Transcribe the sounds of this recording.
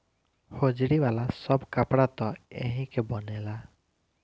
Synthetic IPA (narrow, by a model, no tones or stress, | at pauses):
hod͡ʒɽiwalasɔbkapɽat̪ɔḛɦĩkebɔnɛla